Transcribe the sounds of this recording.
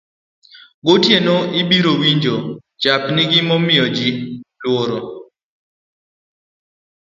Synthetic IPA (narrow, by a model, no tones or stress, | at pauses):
ɡotjenoʔɪbiɾowiɲd͡ʒo | t͡ʃapnɪɡɪmɔmɪɔd͡ʒilwoɾo